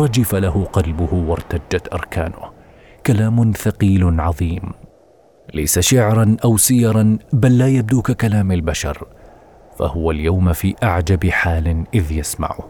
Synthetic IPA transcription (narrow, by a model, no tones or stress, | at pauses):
ɾˤɑd͡ʒɪfalahʊqɑlbʊhʊwɑɾˤt̪ad͡ʒːat̪ʔɑ̰ɾˤkʰaːnʊ̰h | kalaːmʊθaqiːlʕɑðˤiːm | la̰jsaʃaʕɾˤɑnʔawsɪjɑɾˤɑnbalːaːjab̚d̪uːkakalaːmalbaʃɑ̰ɾˤ | fa̰hʊwaljawmfiːʔaʕd͡ʒabɪħaːlɪʔɪðjasma̰ʕʊ̰